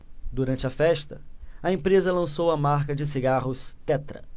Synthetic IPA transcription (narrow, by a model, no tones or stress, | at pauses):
d̪uɾɐ̃nt͡ʃɪɐfɛʃt̪ɐɐẽmpɾezɐlɐ̃sowɐmaɾkɐd͡ʒɪs̬iɡaɦʊst̪ɛt̪ɾɐ̰